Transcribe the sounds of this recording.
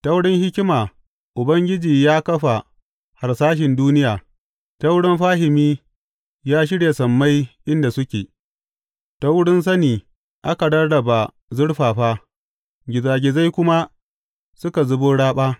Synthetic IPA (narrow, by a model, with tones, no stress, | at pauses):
tɐ˦wɽɪ˦ŋhɪ˦kʲɪ˦maː˨ | ʔʊ˨bɐ˦ŋɡʲɪ˦d͡ʒiː˨jaː˦kɐ˦ɸa˨ | ha˨rsaː˦ʃ̬ɪ˨nduː˦nɪ˦jaː˨ | tɐ˦wɽɪ˦mɸaː˦ɦɪ˨miː˦ | jaː˦ʃ̬ɪ˦ɽje˨sɐ˨mːa˦jʔɪ˦nda˨sʊ˦kʲeː˨ | ta˦wɽɪ˦ns̬ɐ˦niː˨ | ʔa˦ka˨ɽɐ˦rɽɐ˨ba˨ | zʊ˦ɽɸaː˨ɸaː˦ | ɡʲɪ˨zaː˨ɡʲɪ˨za˦jkʷʊ˦ma˦ | sʊ˦ka˨zʊ˦boː˦ɽaː˦ɓaː˦